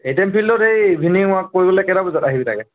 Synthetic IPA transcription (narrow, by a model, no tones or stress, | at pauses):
ejtɛampʰildɔtejbʱiniʊ̃ak̚ːoɹibɔlɛjkɛdabɔzataɦibita̰kɛ